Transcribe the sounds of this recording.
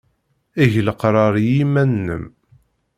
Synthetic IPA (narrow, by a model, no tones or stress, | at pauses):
iʝləqɾˤɑɾˤjimænːə̰m